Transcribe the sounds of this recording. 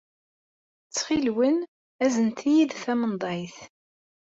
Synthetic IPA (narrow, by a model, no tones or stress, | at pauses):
t͡sːχilwən | æzənt̪ʰijiðθæmənd̪ˤɑjθ